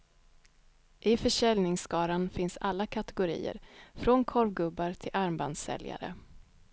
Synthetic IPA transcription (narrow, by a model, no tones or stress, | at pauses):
ʔɪfœʂɛlnɪŋskɑːɾanfɪnsalːakʰat̪ɛɡʊɾḭːə̰ɾfɾɔnkʰɔɾvɡɵbːaɾt̪ʰɪlʔaɾmband̪sɛ̰lja̰ɾə̰